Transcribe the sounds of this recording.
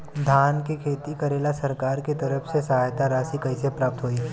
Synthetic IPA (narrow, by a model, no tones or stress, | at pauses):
d̪ʱaːnkekʰeːt̪ikɐɾeːlasɐɾkaːɾket̪ɐɾəfsesaaːjt̪aɾaːsikɐisepɾaːp̚t̪ɦoːiː